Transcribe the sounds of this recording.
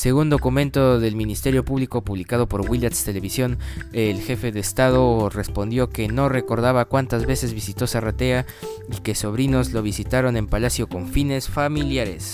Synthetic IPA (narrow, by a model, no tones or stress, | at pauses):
se̞ɣund̪o̞kumẽ̞nt̪o̞ðe̞lmĩnist̪e̞ɾjo̞puβliko̞puβlikað̞o̞po̞ɾɣwilat̪st̪e̞le̞βisjo̞ne̞lxe̞fe̞ðe̞ːst̪að̞o̞re̞spo̞nd̪jo̞ke̞no̞re̞ko̞ɾðaβakwant̪azβe̞se̞zβisit̪o̞sarat̪e̞a | ike̞so̞β̞ɾino̞zlo̞β̞isit̪aɾo̞ne̞mpalasjo̞ko̞ɱfine̞sfamiljaɾe̞̰s